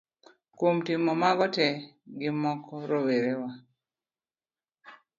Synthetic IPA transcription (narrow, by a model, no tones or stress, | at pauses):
komtimɔmaɡɔtɛɡɪmɔkʰɔɾoweɾewa